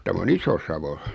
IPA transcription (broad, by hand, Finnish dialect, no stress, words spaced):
tæm on isosɑʋo